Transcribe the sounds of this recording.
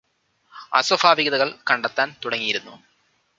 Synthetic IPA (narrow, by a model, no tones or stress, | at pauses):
ɐ̰sɐfaːʋiɣɐðɐɣɐɭkɐɳɖɐt̪ːaːnt̪uɽɐŋːijiɾunːu